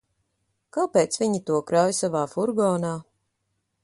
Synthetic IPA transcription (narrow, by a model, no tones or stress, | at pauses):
kawpeːt̪svʲiɲit̪uɔkɾɔjsavaːfuɾɡɔːnaː